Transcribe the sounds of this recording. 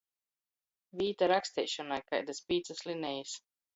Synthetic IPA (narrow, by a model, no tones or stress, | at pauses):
vʲiːt̪aɾaksʲt̪ʲɛ̰jʃɔnajka̰jd̪aspʲiːt̪saslʲinɛjis